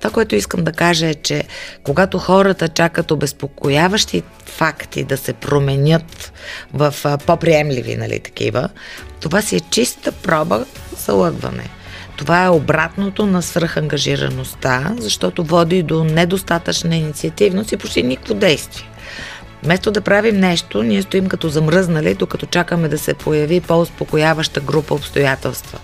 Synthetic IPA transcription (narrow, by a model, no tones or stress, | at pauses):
tt̪ovakoɛt̪oiskəmd̪ɐkaʒəɛt͡ʃɛkoɡat̪oxɔɾət̪ət͡ʃakət̪obɛspokojavəʃt̪i | fakt̪ḭd̪ɐsɛpɾomɛnʲət̪vɐfpopɾiɛmlḭvḭnɐ̰lḭt̪ɐ̥k̟ḭvə̰t̪ovasiɛt͡ʃist̪əpɾɔbəzɐ̰lˠɤɡvɐ̰nɛ̰ | t̪ovaɛobɾat̪not̪onɐsvɾxɐŋɡɐʒiɾɐ̰nost̪azɐʃt̪ɔt̪ovɔd̪id̪onɛd̪ost̪at̪ət͡ʃnəinit̪siɐt̪ivnost̪ipot͡ʃt̪inikəkvod̪ɛjst̪viɛ | mɛst̪od̪ɐpɾavimnɛʃt̪oniɛst̪oimkɐt̪ɔzɐmɾɤznəlid̪okɐt̪ɔt͡ʃakəmɛd̪ɐsɛpʰojɐvipoʊspokojavəʃt̪əɡɾupəopst̪ojat̪ɛlˠst̪və̰